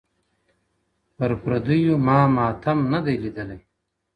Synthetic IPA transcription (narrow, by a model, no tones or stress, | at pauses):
pəɾpɾɐd̪ujumɑːmɑːt̪ʰɐmnad̪ajlid̪əlaj